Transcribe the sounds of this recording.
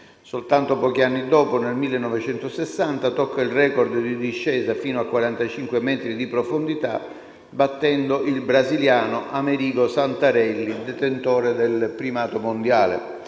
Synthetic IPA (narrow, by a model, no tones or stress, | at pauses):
solt̪ant̪opɔːk̟ianːid̪ɔːponelmilːenːɔvet͡ʃɛnt̪osesːant̪at̪ɔkːailrɛːkɔrd̪d̪id̪iʃːɛːzafiːnoakːwaɾant̪at͡ʃiŋkwemɛːt̪ɾid̪ipɾofond̪it̪a̰ | bat̪ːɛnd̪oʔilbɾaziljaːnoʔameɾiːɡosant̪aɾɛlːid̪ɛt̪ent̪oːɾed̪elpɾimaːt̪omond̪jaːlḛ